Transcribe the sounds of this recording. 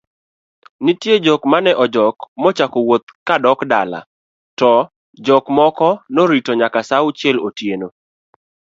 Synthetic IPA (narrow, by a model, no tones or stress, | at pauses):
nɪtjed͡ʒɔkmanɛʔɔd͡ʒɔkmɔt͡ʃakowot̪̚kadɔkdala̰ | tɔ | d͡ʒɔkmɔkɔnoɾitoɲakasawʊt͡ʃjɛlotjeno